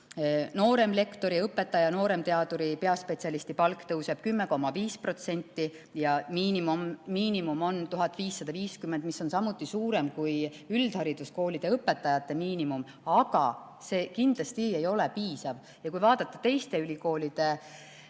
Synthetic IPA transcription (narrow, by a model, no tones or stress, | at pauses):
no̞ːɾe̞mle̞kt̪o̞ɾiɤpːˑe̞t̪ːˑɑjɑno̞ːɾe̞mt̪e̞ɑd̪uɾipe̞ɑspe̞tʲsiɑlist̪ipɑlkːt̪ɤwse̞b̥kymːe̞ko̞mːɑviːspro̞t̪se̞nʲt̪ːˑi | jɑmiːnimumːiːnimumo̞nt̪uɦɑt̪ːˑviːsːɑd̪̥ɑviːskymːe̞nd̪misːo̞nsɑmut̪ːˑisuːɾe̞mkujyld̪̥hɑɾid̪̥usko̞ːlʲid̪̥e̞ɤpːˑe̞t̪ːˑɑjɑt̪ːe̞miːnimum | ɑɡ̥ɑ | se̞ːkind̪lɑst̪ie̞jo̞le̞piːsɑv | jɑkujvɑːd̪̥ɑt̪ːˑɑt̪e̞jst̪e̞ylʲiko̞ːlʲid̪̥e̞